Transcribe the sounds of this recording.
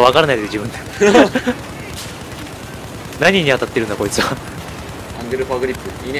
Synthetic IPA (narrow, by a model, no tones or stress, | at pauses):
βakaɾanaid̪eɯd͡ʑibɯ̟̃nd̪a | naɲ̟iɲ̟iat̪at̪ːeɾɯ̟nd̪ako̞it͡sɨβa | ãŋɡeɾɯpaːɡɯ̟ɾʲipːɯi